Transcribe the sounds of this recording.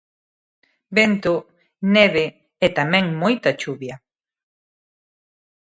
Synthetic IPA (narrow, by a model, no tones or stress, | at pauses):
bent̪o | neβe | ɛt̪amẽŋmojt̪at͡ʃuβja